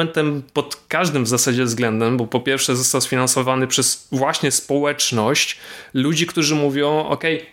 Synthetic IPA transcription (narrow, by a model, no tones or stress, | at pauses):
ɛnt̪ɛmpɔt̪kaʐd̪ɘmvzasad͡ʑɛvzɡlɛnd̪ɛmbɔpɔpʲjɛɾfʂɛzɔst̪awsfʲinansɔvanɘpʂɛsvwaɕɲɛspɔwɛt͡ʂnɔɕt͡ɕlud͡ʑikt̪uʐɘmuvʲjɔ̃w̃ʔɔ̰kɛj